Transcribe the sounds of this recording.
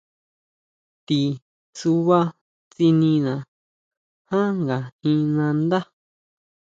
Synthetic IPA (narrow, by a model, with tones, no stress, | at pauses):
t̪i˨ | su˧βa˦ | t͡si˧nĩ˧nã˨ | hã˦ŋɡa˨ĩ˧nã˧nd̪a˦